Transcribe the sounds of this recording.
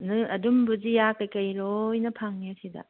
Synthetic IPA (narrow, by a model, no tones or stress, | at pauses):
nɯɐdumbɯzijakajkɐjɾojnɐpʰaŋniasida̰